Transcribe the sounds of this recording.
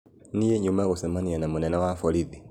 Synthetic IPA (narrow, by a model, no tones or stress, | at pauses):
nijeɲumaɣosɛmanianamunɛnawafɔliði